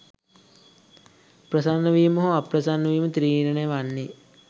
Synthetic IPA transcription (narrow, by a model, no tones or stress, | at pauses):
pɾɐsanːɐʋiːmoɦoaprɐsanːɐʋiːmət̪ɾiːɾɐnejʋanːe